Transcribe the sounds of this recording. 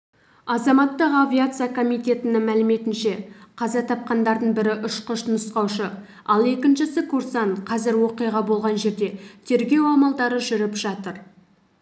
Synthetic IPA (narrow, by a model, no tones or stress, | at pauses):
ɑzɑmɑt̪ːəqavʲiat̪sɨjakʰo̞mijt̪e̞t̪ɪnɪŋmælɪme̞t̪ɪnʃe̞qʰɑzɑt̪ʰɑp̚qɑnd̪ɑɾd̪əɴbɪɾɪʔʏʃqəʃnəsqɑwʃə | ɑlˠe̞kʲɪnʃɪsɪkʰuɾsɑɴqʰɑzɪɾwo̞qijʁɑbo̞lˠʁɑnʒe̞ɾd̪e̞t̪ʰe̞ɾɡʲe̞wɑmɑlˠd̪ɑɾəʒʏɾɪpʒ̥ɑt̪əɾ